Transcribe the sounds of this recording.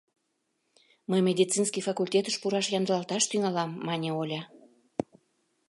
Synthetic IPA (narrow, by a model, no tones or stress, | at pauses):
məjmʲed̪ʲit͡sinskijfɑkulʲtʲet̪əʃpuɾɑʃjɑnd̪əlɑlt̪ɑʃt̪yŋɑlɑmːɑnʲeolʲɑ